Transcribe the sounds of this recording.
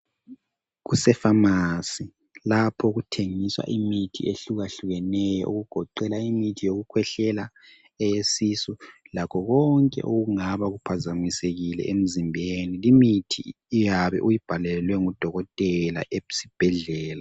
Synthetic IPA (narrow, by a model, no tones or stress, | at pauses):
ɣusɛfamasi | lapʰɔɣutʰeŋiswa̰ʔimitʰḭeɬuɣaɬuɣɛnɛjɔ̰ʔuɣuɡ̥ʱɔǃɛlaimitʰijoɣukʰwɛɬɛla | ɛjesisulakʰɔɣɔŋkʼɛ̰ʔoɣuŋaβaɣupʰazamiseɣilɛ̰ʔem̩zimbʱenilimitʰḭː | jaβɛ̰ʔujib̥ʱalɛlwɛŋud̥ʱɔɣɔtʼɛla̰ʔesi̥b̥ʱɛɮɛːla